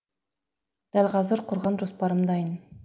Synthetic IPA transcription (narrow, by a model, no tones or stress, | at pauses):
d̪̥ælʲqʰɑzəɾqʰʊɾʁɑnʒospɑɾəmd̪ɑjən